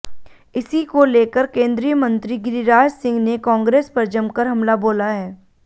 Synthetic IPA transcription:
ɪsikoleːkəɾkẽːnd̪ɾijəmə̃nt̪ɾiɡɪɾiɾaːd͡ʒsɪ̃ŋɡnekɔ̃ːŋɡɾeːspɐɾd͡ʒɐ̃mkəɾɦɐmlaboːlaɦɛː

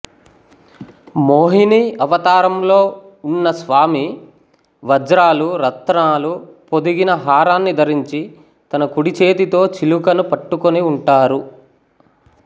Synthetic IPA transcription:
moːɦiniɐʋɐt̪aːɾɐmlo̞ː | unːɐsʋaːmi | ʋɐd͡ʒɾaːluɾɐt̪ːnaːlupod̪iɡinɐɦaːɾaːnːid̪ʱɐɾiɲt͡ʃi | t̪ɐnɐkuɽit͡ʃeːt̪it̪o̞ːt͡ʃilukɐnupɐʈːukoniuɳʈaːɾu

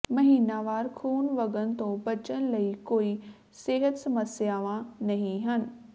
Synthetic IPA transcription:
mɐɦiːnaːʋaːɾkʰuːnʋɐɡənt̪õbɐt͡ɕənlɐikoːi | seːɦət̪sɐməsjaːʋãnɐɦĩɦənɪ̆

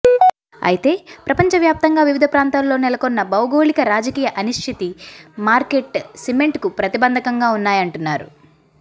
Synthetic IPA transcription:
ɐ̰jit̪e̞ːpɾɐpɐɲt͡ʃɐʋjaːp̚t̪ɐŋɡaːʋiʋid̪ʱɐpɾaːnt̪aːllo̞ːnɛlɐkonːɐbɐwɡo̞ːɭikɐɾaːd͡ʒɐkiːjɐʔɐniʂʈʰit̪imaːɾke̞ʈsime̞ɳʈkupɾɐt̪ibɐnd̪ʱɐkɐŋɡaːunːaːjɐɳʈunːaːɾṵ

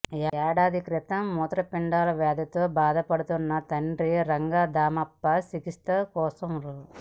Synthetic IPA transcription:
ɛːɽaːd̪ʱikɾit̪ɐmːuːt̪ɾɐpiɳɖaːlɐʋɛːd̪ɐt̪oːbaːd̪ʱɐpɐɽut̪unːɐt̪ɐɳɖɾiɾɐŋɡaːd̪aːmɐpːɐsikist̪ɐkɔːsɐmɾu

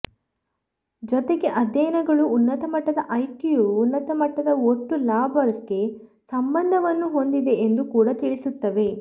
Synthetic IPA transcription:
d͡ʒɔt̪eɡe̞ʔɐd̪ɛjɐnɐɡɐɭuːnːɐt̪ɐmɐʈːɐd̪ɐʔɐjkijuːnːɐt̪ɐmɐʈːɐd̪ɐoʈːulaːbʱɐɐkːe̞ | sɐmbɐnd̪ʱɐʋɐnːuɦo̞nd̪id̪e̞ːnd̪ukuːɽɐt̪iɭisut̪ːɐʋe̞

